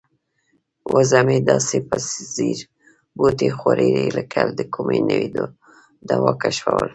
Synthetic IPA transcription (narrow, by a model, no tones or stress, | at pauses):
wazamed̪ɑsepasziɾ | bot̪exwaɾeɾeləkʰald̪əkʰumenəwid̪o | d̪awɑkaʃwawəl